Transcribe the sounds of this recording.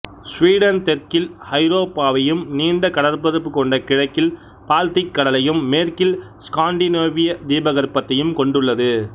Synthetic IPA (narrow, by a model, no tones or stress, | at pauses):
sʋiːɽɐnt̪ɛɾkɪlhɐɪɾoːpːaːʋɐjɯmniːɳɖɐkɐɽɐɾpɐðɐpːɯkːɔɳɖɐkɪɻɐkːɪl | paːlt̪ɪkːɐɽɐlɐjɯmːeːrkɪl | skaːɳɖineːʋɪjɐd̪iːbɐɣɐɾpːɐt̪ːɐjɯmkɔɳɖɯɭːɐðɯ